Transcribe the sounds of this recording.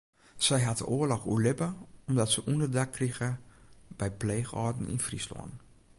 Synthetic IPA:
sɛjɦatə̰ʔoːərlɔxṵəlɪpəɔmdɔtsəʔundərdakʰːriɣəb̥ɛjpleːxɔːdn̩ḭnfrislɔ̰ən

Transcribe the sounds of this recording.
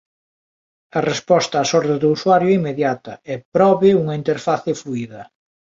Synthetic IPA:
ɐrespɔst̪aːsɔɾðeðuuswaɾjoɛimeðjat̪ɐ̰ɛpɾɔβɪuŋɐint̪eɾfaθɪfluiðɐ

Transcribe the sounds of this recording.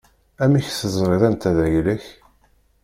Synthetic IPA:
æmiçθəzˤɾeðˤænt̪æðæʝləç

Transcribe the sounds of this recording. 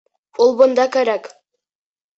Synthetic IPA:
ulˠbŏnd̪ɑkæɾæk

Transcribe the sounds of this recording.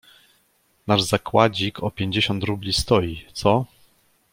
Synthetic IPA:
naʐzakwad͡ʑikɔpʲjeɲd͡ʑeɕɔnt̪ɾublʲist̪ɔjit̪sɔ

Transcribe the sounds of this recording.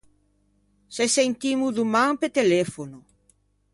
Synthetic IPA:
sesent̪imuðumãŋpet̪elefonu

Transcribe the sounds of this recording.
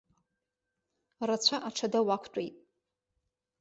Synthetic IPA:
rat͡ɕʷʰaʔaʈ͡ʂʰadawakʷʰt͡ʃʷʼejtʼ

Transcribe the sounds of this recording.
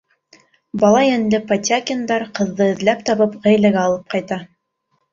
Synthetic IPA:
bɑlˠɑjænd̪ɘpɐt̪ʲakʲɪnd̪ɑɾqɤ̆ðːɤɘ̆ðlæp̚t̪ɑβɤpʁæjlæɡæːlˠɤp̚qɑjt̪ɑ

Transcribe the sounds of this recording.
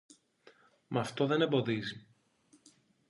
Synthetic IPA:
mʔɐft̪o̞ðe̞ne̞mbo̞ðizi

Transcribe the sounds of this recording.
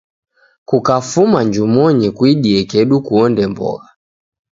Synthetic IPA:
kukafumaɲd͡ʒumɔɲikwiɗiɛkɛɗukuɔndɛmbɔ̰ɣa

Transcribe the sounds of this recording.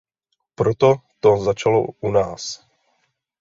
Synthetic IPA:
pɾot̪ot̪ozat͡ʃalo̰ʔunaːs

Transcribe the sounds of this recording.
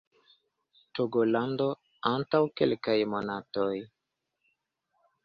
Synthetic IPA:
toɡɔlandɔ | ãntawkɛlɛkajmɔnatɔj

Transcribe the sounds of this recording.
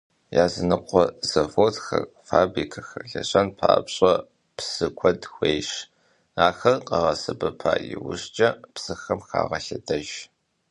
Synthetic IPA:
jaːzɨnɨqʷɔz̥ɐvoːtxɐr | faːbrikʰɐxɐɬɐɕʼɐnpʰaːpɕʼɐ | psɨkʷʰɔdxʷejʃ | aːxɐrqɐʁɐsɐbɐpʰaːjɪ̰wʊɕt͡ʃʼɐpsɨxɐmxa̰ːʁɐɬɐdɐʒ

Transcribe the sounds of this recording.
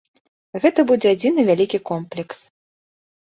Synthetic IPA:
ɣɛt̪ɐbud͡zʲɛad͡zʲinɨvʲalʲikʲikɔmplʲɛks

